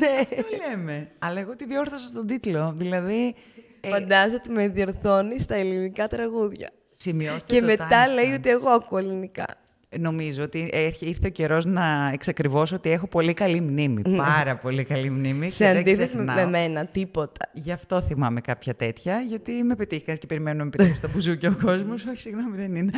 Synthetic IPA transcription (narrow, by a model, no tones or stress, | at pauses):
nelemeɐlɐeɣot̪iðo̞ɾθɐsɐst̪o̞d̪it̪lo̞ðilɐði | fɐnnd̪ɐsot̪imeðioɾθo̞nist̪ɐelinikɐt̪ɾɐɣuðʝɐ̰ | simiost̪ce̞me̞t̪ɐle̞jo̞t̪ie̞ɣo̞ɐkue̞linikɐ̰ | no̞mizoot̪iʔeɾiɾθeoce̞ɾo̞znɐeksɐkɾivo̞so̞t̪iexo̞po̞likɐlimnimḭpɐɾɐpo̞likɐlimnimiseɐned̪iθezmnɐmemenɐt̪ipo̞t̪ɐ̥ʝɐft̪o̞θimɐme̞kɐpçɐt̪e̞t̪çɐʝɐt̪ime̞pet̪ixɐnscepe̞ɾimenunɐmepetist̪opuzuceoko̞zmosoçi̥siɣno̞miðenine